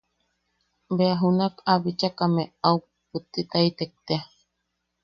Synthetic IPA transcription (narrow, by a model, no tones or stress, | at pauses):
beaɦunakaβit͡ʃakameau | put̪ːit̪ait̪ek̚t̪ea